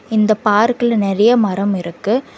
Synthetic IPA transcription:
ɪnd̪ɐpaːɾkɪlnɪrɐjɐmɐɾɐmɪɾɯkːɯ

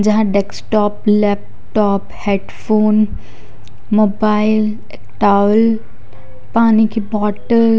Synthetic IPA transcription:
d͡ʒɐɦãɖeksʈɔːplɛːp̚ | ʈɔːpheɖfʰoːn | moːbaːɪl | ekʈaːʋl | paːnikʰibɔːʈəl

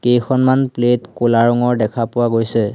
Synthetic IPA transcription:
kejkʰɔnmanpletkulaɹɔŋɔɹdɛkʰapʊwaɡojsɛ

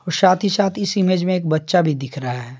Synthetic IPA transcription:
ɔːɾsaːt̪ʰisaːt̪ʰɪsɪmeːd͡ʒmẽeːk̚bɐtːʃabʱid̪ɪkʰɾaɦaɦɛː

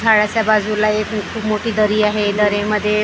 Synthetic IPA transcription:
aɽat͡ɕjabad͡zulaekikʰuːpmoʈiːd̪əɾiːaɦed̪əɾẽməd̪ʱːje

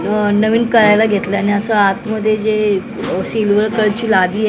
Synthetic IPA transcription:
nəʋiːnkəɾajlaɡʱet̪ləaniəsəat̪məd̪ʱːjed͡ze | silʋəɭkəɭt͡ɕiːlad̪iːe

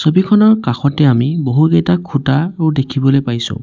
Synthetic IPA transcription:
sobikʰɔnɔɹkaxɔtɛamiboɦuɡejtakʰutaudekʰibɔlojpajsõ̰ʊ̃

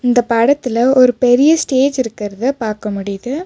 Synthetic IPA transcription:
ɪnd̪ɐpɐɽɐt̪ːɪlɐɔɾɯpɛɾɪjɐsʈeːd͡ʒɪɾɯkːɪɾɐðɯpaːɾkɐmʊɽɪjɐðɯ

